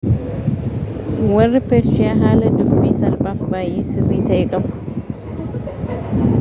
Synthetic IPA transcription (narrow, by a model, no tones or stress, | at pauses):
wɐrːɪpeːɾʃɪaːɦaːlɐd̪ʊbiːsɐlbaːfbaːjeːsɪrːiːt̪ɐʔeːkʼɐbʊ̥